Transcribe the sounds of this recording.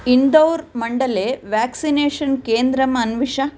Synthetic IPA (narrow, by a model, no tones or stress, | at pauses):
ind̪ɐwɾmɐɳɖɐleːʋjaːksineːʂɐnkeːnd̪ɾɐmɐnʋiʂɐ